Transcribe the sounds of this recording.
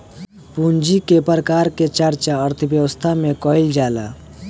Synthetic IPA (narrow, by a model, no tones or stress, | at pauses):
pund͡ʒikepɾəkaɾket͡ʃəɾt͡ʃaəɾt̪ʰəbjəwəst̪ʰamekɔild͡ʒala̰